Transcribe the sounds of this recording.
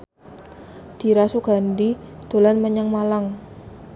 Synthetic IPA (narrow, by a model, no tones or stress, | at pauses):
d̪̥i̤ɾasuɡ̥a̤ndid̪̥o̤lanməɲaŋmalaŋ